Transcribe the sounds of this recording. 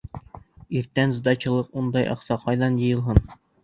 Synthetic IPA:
iɾt̪ænzd̪ɑt͡ɕɤ̆lˠɤqund̪ɑjʔɑ̰qsɑqʰɑjðɑnjɤ̆jɤ̆lˠɦɤn

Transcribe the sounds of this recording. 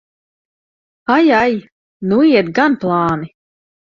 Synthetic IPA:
ajaj | nuiɛt̪ɡanplˠɑːni

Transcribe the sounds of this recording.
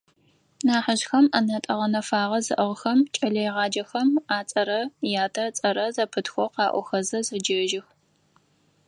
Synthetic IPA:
naːħəʑxɐmɐnɐtʼɐʁɐnɐfaːʁɐzɨ̰ʔɐʁxɐmt͡ʃʼɐɮɐjʁɑːd͡ʒɐxɐmaːt͡sʼɐɾɐjaːtʰɐt͡sʼɐɾɐzɐpʰɨtxʷɔqɑːʔʷɔ̰xɐzɐzɐd͡ʒɐʒɪx

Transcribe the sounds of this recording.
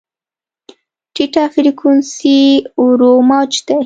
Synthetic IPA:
ʈiʈafiɾikʰunsiɾomɑt͡ʃd̪e

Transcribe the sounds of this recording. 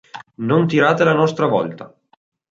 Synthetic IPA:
nont̪iɾaːt̪elanɔst̪ɾavɔ̰lt̪a

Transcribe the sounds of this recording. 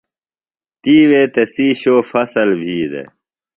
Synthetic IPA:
t̪iːweːt̪ɐsiːɕoːfɐsɐlbʱiːd̪ḛ

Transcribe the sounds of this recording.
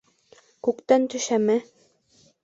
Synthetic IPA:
kʉkt̪ænt̪ɵ̆ʃæmæ

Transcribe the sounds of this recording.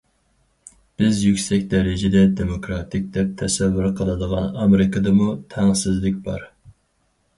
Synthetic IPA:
b̥ɪzjykʲsɛkʲd̪ɛɾɪd͡ʒɛd̪ɛd̪emokɾɑt̪ʰɪk̚ʲd̪ɛp̚t̪ʰɛsɛvːyɾqʰəlˠɨd̪əʁɑ̰nɑmeɾɪkʰɨd̪ɨmut̪ʰæŋsɪzlɪk̚ʲbɑ̰ɾ

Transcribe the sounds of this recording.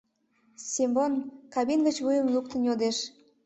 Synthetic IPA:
sʲimbonkɑβinɡət͡ɕβujəmluk̚t̪ənjod̪eʃ

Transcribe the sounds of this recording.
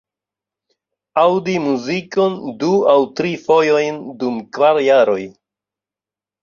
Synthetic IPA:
awdimuziko̞nduawtɾifo̞jo̞jndumkvaɾjaɾo̞j

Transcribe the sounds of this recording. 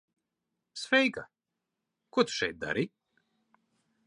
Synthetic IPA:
svʲɛjka | kuɔt̪u̥ʃɛ̰jt̪̚d̪a̰ɾi

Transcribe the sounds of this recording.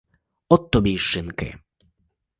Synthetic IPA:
ɔt̪ːɔbʲjejʂɪnkɛ̰

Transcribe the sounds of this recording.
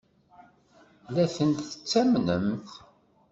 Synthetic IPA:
læθənt̪θə̥t͡sːæmnəmθ

